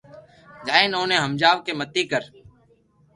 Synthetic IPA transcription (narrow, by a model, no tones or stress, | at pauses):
d͡ʒaːeːnõːnẽːɦəmd͡ʒaːʋkeːmət̪ːiːkəɾ